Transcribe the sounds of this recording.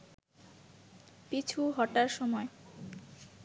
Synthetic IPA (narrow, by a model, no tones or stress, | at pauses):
pit͡ɕʰuɦɔʈaɾʃɔmɔe